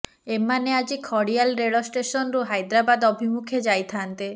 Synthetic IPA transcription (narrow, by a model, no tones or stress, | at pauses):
emːanead͡ʒikʰɔɽialɾeɭɔsʈesɔnɾuɦajd̪ɾabad̪ɔbʱimukʰed͡ʒajt̪ʰant̪e